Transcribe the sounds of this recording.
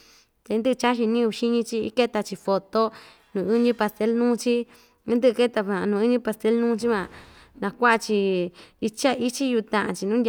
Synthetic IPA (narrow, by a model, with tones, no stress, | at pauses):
t̪e˧nd̪ɨ˦ɨ˧t͡ʃa˦ʃ̬i˧nĩ˦˧ʃi˦ɲĩ˧t͡ʃi˧˦ke˦t̪a˧t͡ʃi˧fo˧t̪o˦ | nũː˨ɨ˦ɲĩ˧pa˧st̪e˧˦lnũː˦˧t͡ʃĩ˦ | nd̪ɨ˦ɨ˧ke˦t̪a˧ã˨˧nũː˨˧ɨ˦ɲĩ˦pa˧st̪e˧˦lnũː˦t͡ʃi˦mã˧ | nã˧kʷa˦ʔa˧t͡ʃi˧i˧t͡ʃa˦ʔi˦t͡ʃi˦ju˧t̪ã˧ʔã˧t͡ʃi˧nũ˦dʲ